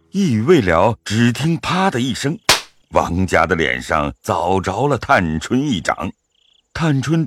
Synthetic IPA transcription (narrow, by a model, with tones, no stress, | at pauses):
i˥˧˨we˥˩ɪljɑ˧˥ʊʈ͡ʂɻ̩˨˩t̪ʰi˥ŋpʰa˥d̪ə˨i˥˩ʂɤ˥ŋ | wɑ̰˧˥ŋt͡ɕja˥d̪ə˨ljɛ̰˨˩nʂɑ̰˥˧ŋt͡sɑ˨˩ʊʈ͡ʂɑ˧˥ʊlə˧t̪ʰa˥˩nʈ͡ʂʰwə˥ni˥˩ʈ͡ʂɑ̰˨˩˦ŋ | t̪ʰa˥˩nʈ͡ʂʰwə˥n